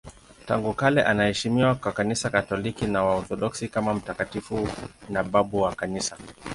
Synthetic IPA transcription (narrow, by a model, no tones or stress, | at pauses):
taŋɡukalɛʔanahɛʃimiwakakanisakatɔlikinawaɔθɔɗɔksikamam̩takatifunaɓaɓuwakanisa